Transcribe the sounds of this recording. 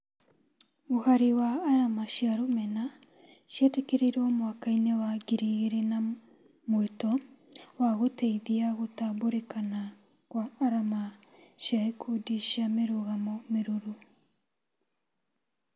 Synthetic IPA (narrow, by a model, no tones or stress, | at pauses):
ohaɾiwaːɾamaʃjaɾomɛna | ʃjetekeɾeɾɔmwakainewaɡiɾiɣeɾena | mwetɔwaɣoteiðiaɣotaβoɾekana | kwaːɾamaʃjaekʰudiʃameɾoɣamɔmeɾoɾu